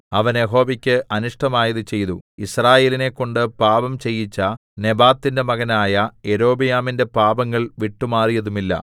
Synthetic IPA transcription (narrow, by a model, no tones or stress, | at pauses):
ɐʋɐnje̞ɦo̞ːʋikʲːɨʔɐnuʂʈɐmaːjɐðut͡ɕe̞jt̪uisraːje̞ːline̞kːo̞ɳɖɨpaːbɐmt͡ɕe̞jːit͡ɕːɐne̞baːt̪ːinde̞mɐɣɐnaːjɐe̞ɾo̞ːbijaːminde̞paːbɐŋːɐɭʋiʈːumaːrijɐðumilːɐ̰